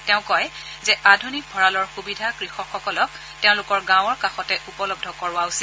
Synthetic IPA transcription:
teʊ̃kɔj | zɛʔadʱunik̚bʱɔɹalɔɹxubidʱakɹixɔkxɔkɔlɔk | teʊ̃lʊkɔɹɡãw̃ɔɹkaxɔtɛʔupɔlɔb̚dʱɔkɔɹʊwausil

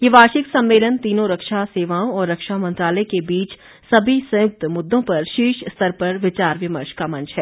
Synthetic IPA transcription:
jeʋaːʃɪksɐ̃mːeːlənt̪iːnõɾɐkʃaseːʋaːõɔːɾːɐkʃamɐ̃nt̪ɾaːləekebiːt͡ʃ | sɐbʱisɐ̃jʊk̚t̪mʊd̪ːõpɐɾʃiːʃst̪ʰɐɾpɐɾʋɪt͡ʃaːɾʋɪməɾʃkamɐ̃nt͡ʃʰɦɛː

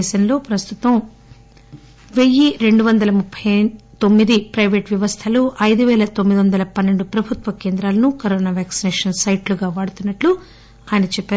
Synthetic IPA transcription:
ʃɐnlo̞ːpɾɐst̪ut̪ɐm | ʋe̞jːiɾe̞ɳɖuʋɐnd̪ɐlɐmupʰːɐt̪o̞mːid̪ipɾɐjʋeːʈʋjɐʋɐst̪ʰɐluʔɐjd̪uʋɛːlɐt̪omːid̪iʋɐnd̪ɐlɐpɐnːe̞ɳɖupɾɐbʱut̪ʋɐkeːnd̪ɾaːlɐnukoɾoːnaːʋaːksinɛːʂɐnsɐjʈluɡaːʋaːɽut̪unːɐʈlu | aːjɐnɐt͡ʃɛpːeː

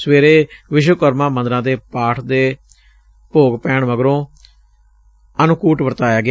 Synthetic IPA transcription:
sʋeːɾeːʋɪʃ̬wəkɔɾmãːmə̃nd̪ɾãːd̪eːpaːʈʰd̪eː | poːɡpɛːɳʋəɡɾõː | ənʊkuːʈʋəɾt̪aːjaːɡɪ

